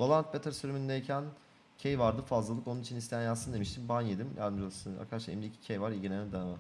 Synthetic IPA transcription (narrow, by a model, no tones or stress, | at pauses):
bolˠant̪bet̪ʰaɾsyɾymynd̪eicʰæn | cʰejvaɾd̪ɯfazlˠalˠɯkonunit͡ʃʰinist̪ʰejænjansɯnd̪e̞miʃt̪ʰimbanjed̪imjʔa̰ɾd̪ɯmd͡ʒolˠasɯna̰ɾkʰad̪aʃaḛmlʲicʰi̥cʰejvaɾilʲɟinʲeɛd̪anma